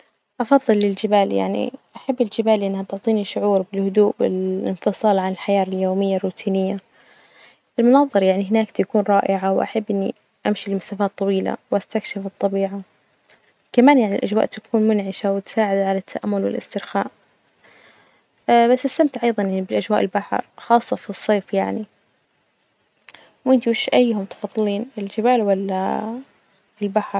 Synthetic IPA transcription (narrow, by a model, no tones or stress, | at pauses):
ʔɑfɑðˤːɨlːɪld͡ʒɪbaːlja̰ʕnḭʔaħabːɪld͡ʒɪbaːlʔɪnːhat̪ʊʕt̪ˤiːniʃʊʕuːɾbɪlhʊd̪uːʔbɪ̰lɪnfɨsˤɑːlʕanɪlħajaːɾɪljoːmɪjːarːuːt̪ʰiːnɪjːa | ʔɪlmʊnɑːðˤɨɾjaʕniɦɪnaːkt̪akuːnɾˤɑːʔɪʕawʔa̰ħabːʔɪnːḭ | ʔamʃilmasaːfaːt̪ˤːɑwiːla̰wʔast̪akʃɪfɨt̪ˤːɑbiːʕa | kamaːnjaʕnḭlʔad͡ʒwa̰ːʔt̪akʰuːnmʊnʕɪʃawɪt̪saːʕɪd̪aʕalat̪ʰːaʔa̰mːʊlwɪ̰lʔɪ̰st̪ɪɾxa̰ːʔ | basːɪst̪amt̪ʕʔɑjðˤɑnjaʕnibɪlʔad͡ʒwaːʔɪlbaħɾˤxɑːsˤːɑfisˤːeːfjaʕni | wʔɪnt̪iɪʃʔajːhʊmt̪ɪ̥fɑðˤːɨliːnɪld͡ʒɪbaːlwalːa | ɪlbaħɾˤ